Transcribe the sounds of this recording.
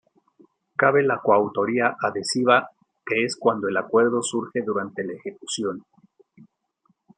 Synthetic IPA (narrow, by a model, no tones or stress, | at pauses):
kaβe̞lakwawt̪o̞ɾiaʔaðe̞siβa | ke̞eskwand̪o̞e̞lakwe̞ɾðo̞suɾxe̞ðuɾant̪e̞laexe̞kusjo̞n